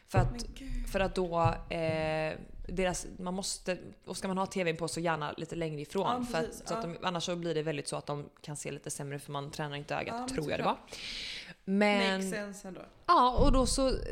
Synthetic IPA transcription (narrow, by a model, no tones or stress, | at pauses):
fœɾat̪fœɾat̪̚d̪ɔ | d̪eːɾasmanmɔst̪əɔskamanhɑːt̪ʰeːvenpʰɔsɔjæːɳa̰lḭːt̪əlɛŋɾəɪfɾoːnfœɾat̪sɔat̪d̪ɔmʔa̰nːaʂːɔblɪɖɛvɛld̪ɪt̪sɔat̪̚d̪ɔmkʰansḛːliːt̪əsɛmːɾəfœɾmant̪ʰɾɛːnaɾɪnt̪əø̰ːɡa̰t̪t̪ʰːɾuːɾja̰dɛvaɾ | mɛnɛnsnd̪o̰ɑːɔd̪ɔsɔ